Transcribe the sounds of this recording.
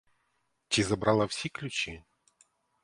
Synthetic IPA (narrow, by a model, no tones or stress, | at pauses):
t͡ɕizɐbɾalˠɐwsʲiklʲʊt͡ɕi